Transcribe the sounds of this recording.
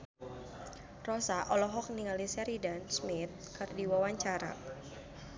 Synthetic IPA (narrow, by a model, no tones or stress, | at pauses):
rɔsaʔɔlɔɦɔk̚niŋalisɛɾidansmɪt̪̚kɨrdiwawaɲt͡ʃaɾa̰